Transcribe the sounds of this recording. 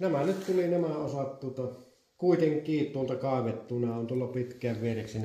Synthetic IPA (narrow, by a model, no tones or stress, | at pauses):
næmænyt̪t̪ulinæmæosɑt̪t̪uot̪ɑ | kuit̪eŋkˑiːt̪uolt̪ɑkɑˑeʋet̪ːunɑont̪uolːɑpit̪kˑæːʋʋiereksen